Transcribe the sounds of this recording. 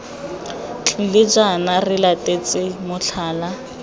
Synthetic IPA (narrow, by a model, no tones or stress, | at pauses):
t͡ɬʼlɪd͡ʒanarɪlatʼet͡sʼɪmʊɬʰaːla